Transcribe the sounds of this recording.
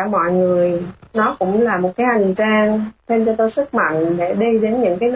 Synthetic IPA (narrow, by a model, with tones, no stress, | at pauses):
mɔ̰˧˨jŋɨ˨˩əjnɔ˨˦kʊ̰˧˥ŋ͡mlaː˨˩mo˨˩t̚kaː˨˦jʔa˨˩ŋt͡ɕaː˧ŋt̪ʰe˧mt͡ɕɔ˧t̪o˧jsɨ˦˥k̚ma̰˧˨ŋɗe˧˩ɗi˧ɗe˨˦nɲɨ̰˧˥ŋkaː˨˦